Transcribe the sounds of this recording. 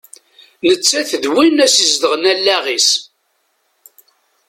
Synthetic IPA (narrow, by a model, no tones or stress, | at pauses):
nət͡sːæθəðwinæsizd̪əʁnælːæʁis